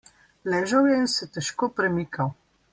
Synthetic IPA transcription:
lɛːʒɐwjɛinsɛt̪ɛʃkoːpɾɛmikaw

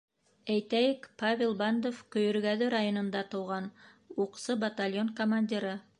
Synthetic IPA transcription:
æjt̪æjɘkpavʲelˠband̪ofkɵ̆jɵ̆ɾɡæðɘɾajonŏnd̪ɑt̪ɤ̆wʁɑn | uqsɤbɐt̪alʲjonkomanʲdʲiɾɤ

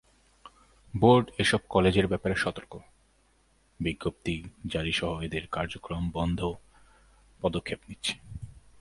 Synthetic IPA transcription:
boɾɖeʃɔb̚kɔled͡ʑeɾbɛpaɾeʃɔt̪oɾko | biɡːop̚t̪id͡ʑaɾiʃɔɦoed̪eɾkaɾd͡ʑokɾombɔnd̪ʱo | pɔd̪okʰːepnitːɕʰe̥

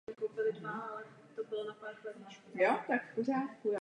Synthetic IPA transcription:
ɛkowpɪlɪdvaʔalɛ | t̪obɪlnapaɾxlɛt̪naʃkojot̪akporaːt̪kuj

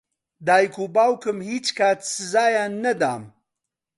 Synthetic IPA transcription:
d̪aːjkuːbaːwkɨmhiːt͡ʃkʰaːt̪sɨzaːjaːnːɐd̪a̰ːm

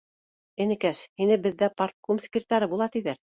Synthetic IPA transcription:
ɘ̆nɘ̆kæʃhinɘbɘ̆ðːæpart̪̚komskɾʲt̪ɑɾɤbulˠɑt̪iðæɾ

